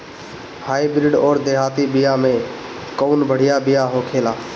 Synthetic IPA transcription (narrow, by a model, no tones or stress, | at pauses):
haːibɪɾɪɖɔːɾd̪eːɦaːt̪iːbɪjaːmẽː | koːnbʱəɽ̤ɪjaːbɪjaːɦoːkʰeːlaː